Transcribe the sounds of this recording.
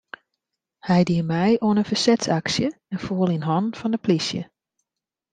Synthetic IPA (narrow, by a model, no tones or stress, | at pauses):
hɛjdiəmɛjoənənfəsɛtsaksjə | ɛnfuːəlˠinɦɔnfɔndəpʰlisjə̰